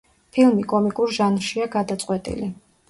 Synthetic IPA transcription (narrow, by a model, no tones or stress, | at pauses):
pʰilˠmikʼɔmikʼuɾʒanʃiaɡad̪at̪sʼqʼwɛt̪ʼḭli